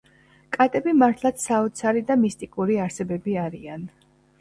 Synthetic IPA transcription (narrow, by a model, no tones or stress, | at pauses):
kʼat̪ʼɛbimaɾt̪ʰlˠat̪ssaɔt̪sʰaɾid̪amist̪ʼikʼuɾiaɾsɛbɛbiaɾian